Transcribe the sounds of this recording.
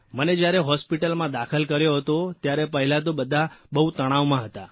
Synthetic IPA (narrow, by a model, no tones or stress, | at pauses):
məned͡ʒjaɾeɦɔspiʈəlmãd̪akʰəlkəɾjoɦət̪ot̪jaɾepəɦilat̪obəd̪ʱːabəɦut̪əɽ̃aʋmãɦət̪a